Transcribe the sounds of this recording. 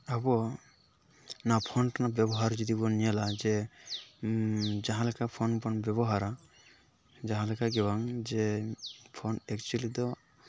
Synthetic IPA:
abɔ | napʰɔnʈnabɛbɔɦaɾd͡ʒɔd̪ibɔnijalad͡ʒɛ | d͡ʒaɦãlɛkapʰɔnbɔnbjɛbɔɦaɾa | d͡ʒaɦãlɛkaɡɛwaŋd͡ʒɛ | pʰɔnɛkt͡ʃuɛlid̪ɔ

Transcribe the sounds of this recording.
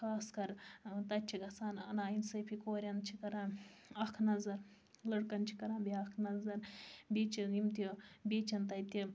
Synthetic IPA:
xaːskɐɾt̪ɐt͡ʃʰiɡɐsaːnɐ̰naːinsɐpʰikoːɾʲɐnt͡ʃʰikɐɾanɐkʰnɐzɐɾ | lɐɽkɐnt͡ʃʰi̥kɐɾãːnbiɐkʰnɐzɐɾbet͡ʃʰiimt̪ibeːt͡ʃʰɐnt̪ɐt̪i

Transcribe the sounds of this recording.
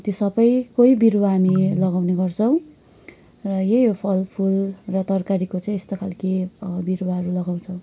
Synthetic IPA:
t̪josʌbʌjkoibiɾwaɦamilʌɡawneɡʌrt͡sʰʌw̃ | rʌjejopʰʌlpʰulrʌt̪ʌrkaɾikot͡saĩest̪okʰalkebiɾwaɦʌɾulʌɡaw̃t͡sʰʌw̃

